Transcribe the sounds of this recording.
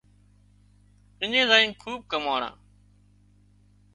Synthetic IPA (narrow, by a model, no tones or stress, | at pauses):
ɪɲẽːzaːĩːkʰuːɓ̚kəmaːɳã̰ː